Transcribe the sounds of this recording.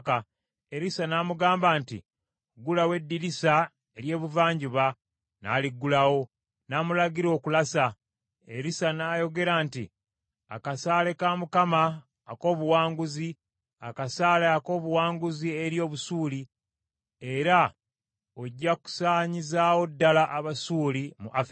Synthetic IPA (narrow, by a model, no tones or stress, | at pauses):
ka | e̞ɾisanaːmuɡaːmbantḭ | ɡulawe̞dːiɾisa | eɾje̞ːβuvaːɲɟuβa | na̰ːliɡːulawo̞ | namulaɡiɾo̞ːkulasa | eɾisanaːjo̞ɡe̞ɾaːnti | a̰kasaːle̞kamukamaː | ko̞ːβuwaːŋɡuzi | a̰kasaːleako̞ːβuwaːŋɡuzie̞ɾjo̞ːβusuːli | e̞ɾa | oɟːaku̥saːɲizaːwo̞dːalaʔːβasuːlimṵʔafi